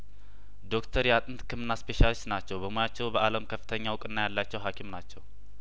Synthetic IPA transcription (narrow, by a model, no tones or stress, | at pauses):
d̪o̞kt̪ʰəɾjɛat̪ʼɨnt̪kʰɨmɨnːaspe̞ʃalist̪nat͡ʃːɛwbəmojat͡ʃːɛwbəʔaləmkʰəfːɨt̪ʰəɲːawʊkʼɨnːajalːat͡ʃːɛwɦakʰimnat͡ʃːɛw